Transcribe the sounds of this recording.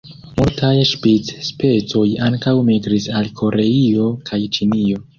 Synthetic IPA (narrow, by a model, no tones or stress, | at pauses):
multajʃpit͡sspe̞t͡so̞jaŋkawmiɡɾisalkʰo̞ɾe̞io̞kʰajt͡ʃinio̞